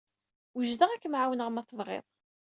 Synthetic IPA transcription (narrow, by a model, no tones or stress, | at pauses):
wəʒðæʁækːəmʕawənəʁmæθəvˤʁḛðˤ